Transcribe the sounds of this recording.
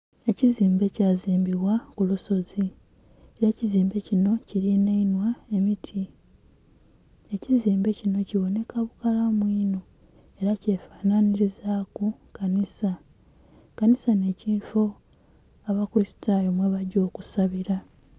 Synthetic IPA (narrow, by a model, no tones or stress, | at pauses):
e̞ciziːmbe̞caːziːmbiβwakuluso̞zi | eɾeːciziːmbe̞cino̞ciɾinainwae̞mitʰi | e̞ciziːmbe̞cino̞ciβo̞ne̞kaβukalamwiːno̞ | e̞ɾace̞ːfaːnaniɾizakukanisa | kanisane̞ciːfo̞ | aβakuɾisi̥tajomweβaɟo̞ːkusaβiɾa